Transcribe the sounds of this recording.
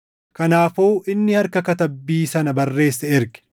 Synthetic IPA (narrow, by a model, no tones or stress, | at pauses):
kɐnaːfuːʔɪnːɪhɐɾkɐkɐt̪ɐbːiːsɐnɐbɐrːe̞ːsːɛɪɾɡɛ̥